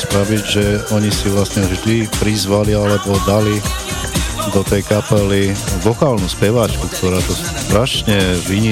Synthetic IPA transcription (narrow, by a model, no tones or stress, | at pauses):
spɾaʋiɟʒɛɔɲisiʋlasɲɛvʒd̪ipɾizʋalialɛbɔd̪ali | d̪ɔt̪ɛjkapɛliʋɔkaːlnuspɛʋaːt͡ʃkukt̪ɔɾaːt̪ɔst̪ɾaʃɲɛʋiɲi